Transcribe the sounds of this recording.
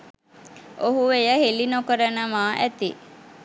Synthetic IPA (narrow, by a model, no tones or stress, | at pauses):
oɦuʋejəɦelinokəɾənəmaːʔæt̪i